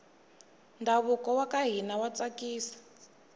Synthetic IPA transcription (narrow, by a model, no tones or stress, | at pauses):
ndʱaβukɔwakaɦinawat͡sakiːsḁ